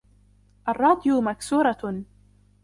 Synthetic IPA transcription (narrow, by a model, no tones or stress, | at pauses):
ʔɑrˤːɑːd̪ˤjʊmaksuːɾˤɑ